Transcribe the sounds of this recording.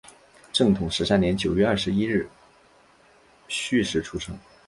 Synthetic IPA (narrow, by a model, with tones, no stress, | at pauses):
ʈ͡ʂɤ˥˩ŋt̪ʰʊ˨˩ŋʂɻ̩˧˥ʂa˥˩njɛ˧˥nt͡ɕjo˨˩ʊɥɛ˥˧ɐ˥˩ʂɻ̩˧˥i˥ɻɻ̩˥˩ | ɕy˥˩ʂɻ̩˧˥ʈ͡ʂʰu˥ʂɤ̰˥ŋ